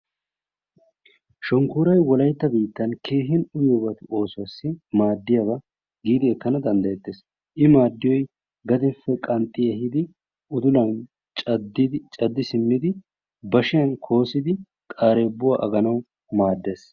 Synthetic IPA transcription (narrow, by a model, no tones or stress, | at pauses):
ʃɔŋkuːɾɐjwɔlɐjt̪ːɐbiːt̪ːɐnkʰe̞ːɦɪnʊjɔbɐt̪ɪo̞ːsʊwɐsːɪmaːd̪ːɪjɐbɐ | ɡiːd̪ɪɛkːɐnɐd̪ɐnd̪ɐjɛt̪ːe̞ːs | ʔɪmaːd̪ːɪjɔj | ɡɐd̪ɛfːɛkʼɐnt̪ʼːɪjɛɦɪd̪ɪ | ʊd̪ʊlɐn | t͡ʃʼɐd̪ɪt͡ʃʼɐd̪ːɪsɪmːɪd̪ɪ | bɐʃɪjɐnkʰo̞ːsɪd̪ɪ | kʼaːɾeːbːʊwaʔɐɡɐnɐw | maːd̪ːe̞ːs